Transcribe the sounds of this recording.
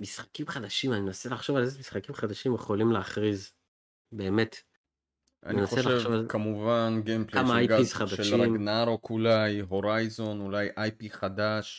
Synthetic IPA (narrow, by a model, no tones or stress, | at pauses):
misχḁkimχad̪aʃimaninenaselaχʃo̞valezemisχakimχad̪aʃimjeχo̞limleaχʁiz | be̞ːmet̪ | ʔa̰ninaχoeʃlaevovkamuvanɡempleamaajɡaχad̪aʃeʃlɾamɡnaɾo̞kulajɦo̞ʁajzo̞nulajʔajpiχad̪aʃ